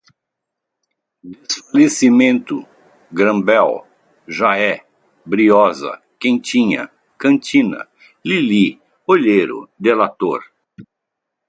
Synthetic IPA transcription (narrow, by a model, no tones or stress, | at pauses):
d̪esfalesimẽnt̪ʊ | ɡɾɐ̃bɛw | ʒaɛ | bɾiɔzɐ̰ | kẽt͡ʃĩɲɐ̰ | kɐ̃nt͡ʃĩnɐ̰ | lili | oʎejɾʊ̰d̪elat̪oɾ